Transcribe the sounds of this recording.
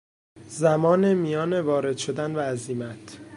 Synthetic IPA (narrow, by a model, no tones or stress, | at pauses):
zæmɒːnemijɒːnevɒːɾe̞d̪ʃo̞d̪ænvæːziːmæt̪ʰ